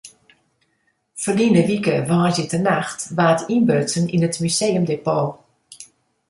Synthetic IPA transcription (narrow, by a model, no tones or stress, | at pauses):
fərlinəʋikəʋɔːzjətənaxtʋaːtʰinbøsəninətmyseːjəmdepoː